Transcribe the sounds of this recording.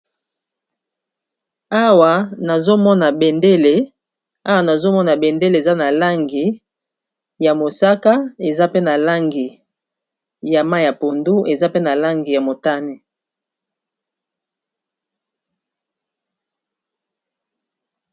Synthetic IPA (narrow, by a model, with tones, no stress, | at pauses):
a˦wa˨na˨zo˦mɔ˦na˨be˨nde˦le˨ | a˦wa˨na˨zo˦mɔ˦na˨be˨nde˦le˨za˦na˨la˦ŋɡi˨ | ja˨mo˨sa˦ka˦e˨za˦pe˦na˨la˦ŋɡi˨ | ja˨ma˦˨ja˨po˨ndu˦ʔe˨za˦pe˦na˨la˦ŋɡi˨ja˨mo˨ta˦ni˨